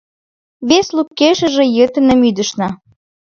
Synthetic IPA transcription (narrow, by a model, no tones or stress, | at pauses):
βeslukːeʃə̆ʒĕjət̪ə̆nə̆myd̪ə̆ʃnɑ